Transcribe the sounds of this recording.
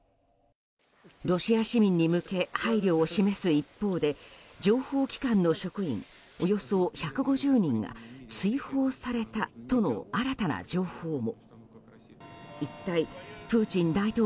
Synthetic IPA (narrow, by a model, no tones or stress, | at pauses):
ɾo̞ɕiaɕimʲĩɲ̟ːimɯ̟ke̞haiɾʲo̞ːɕime̞sɨipːo̞ːd̪e̞d͡ʑo̞ːho̞ːkʲi̥kãnːo̞ɕo̞kɯ̟ḭ̃ŋ | o̞jo̞so̞çakɯ̟ɡo̞ʑɨːɲ̟ĩŋɡa̰t͡sɨiho̞ːsaɾe̞t̪at̪o̞no̞̰aɾat̪ana̰d͡ʑo̞ːho̞ːmo̞ | it̪ːaipɯ̟ːt͡ɕĩnd̪ait̪oː